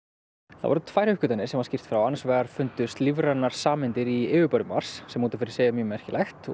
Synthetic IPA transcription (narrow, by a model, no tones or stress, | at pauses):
θa̰vɔ̰ɾʏt̪ʰvaːjɾ̥hʏhkʏt̪anːɪ̥sɛmvaɾ̥scir̥t̪fɾawanːasvɛːɣaɾ̥fʏnt̪ʏst̪livɾanːaɾ̥saːmɪnt̪ɪɾiɪːvʏpœɾðʏma̰r̥sːɛmuːt̪afɪɾɪ̥ɾ̥seːjamʏːmɛɾhcɪlʔajxt̪